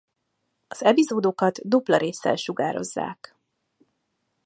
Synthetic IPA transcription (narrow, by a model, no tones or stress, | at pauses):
ɒz̥ɛpizoːd̪okɒd̪d̪uplɒɾeːsːɛ̰lʃuɡaːɾo̞̰zːa̰ːk